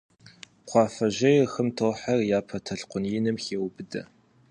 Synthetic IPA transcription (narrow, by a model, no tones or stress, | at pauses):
qʷʰɑːfɐʑɐjɛxɨmtʰoːħɐrjaːpʰɐtʰɐɬqʷʊnjɪnɨmxeːwbɨdɐ̰